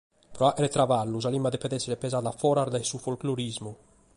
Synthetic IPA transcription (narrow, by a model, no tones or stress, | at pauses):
pɾɔaʔeɾet̪ɾavalːuzalimad̪epɛd̪ɛsːeɾepezaːd̪afɔɾaɾd̪ɛsufolkloɾizmu